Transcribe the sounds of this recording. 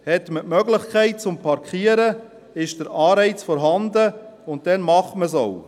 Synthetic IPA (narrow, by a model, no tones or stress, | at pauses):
hɛtməmœɡlɪχkʰɛɪt̚t͡sʊmpʰɑɾkχiːəɾə | ɪʃd̥əɾɑːɾɛɪt͡sfɔɾɦɑndəʊnt̚d̥ɛnmɑχməs̬ow